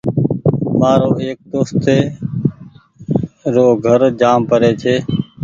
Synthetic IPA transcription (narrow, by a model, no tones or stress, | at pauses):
maːɾoːeːk̚d̪oːst̪eː | ɾoːɡʱəɾd͡ʒaːmpəɾeːt͡ʃʰeː